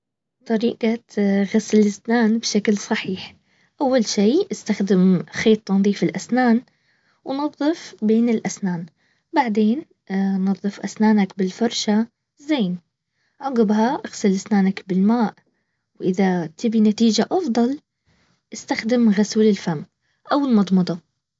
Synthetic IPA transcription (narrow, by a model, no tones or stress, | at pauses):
t̪ˤɑɾiːqaɣaslɪsnaːnbʃaklsˤɑħiːħ | ʔawːalʃiːʔɪst̪axd̪ɪmxeːt̪ˤːɑnðˤiːfɪlʔasnaːn | wnɑðˤːɨfbeːnɪlʔasnaːn | baʕd̪eːn | nɑðˤːɨfʔa̰snaːnakbɪlfɑɾˤʃa | zeːn | ʕɑɡɪbhaʔaɣsɨlʔɪsnaːnakbɪlmaːʔ | wʔɪðat̪ɪbinat̪iːd͡ʒaʔɑfd̪ˤɑl | ʔɪst̪axd̪ɪmɣaswlɪlfam | ʔawɪlmɑd̪ˤmɑd̪ˤɑ